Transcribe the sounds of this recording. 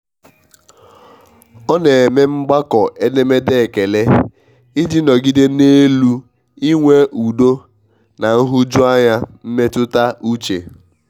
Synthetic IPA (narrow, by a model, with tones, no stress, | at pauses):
ɔ˦ne˨e˨me˦ŋ͡m̩˦ɡ͡ba˦kɔ˨ʔe˦ne˦me˦de˦˨ke˨le˦ | i˦di˦nɔ˨ɡi˦de˦ne˦lu˦ | i˦ŋʷe˦ʔu˨do˦ | na˨n̩˦ɦʊ˦d͡ʒu˦a˦ɲa˦m̩˦me˦tʊ˦ta˦u˦t͡ʃḛ˨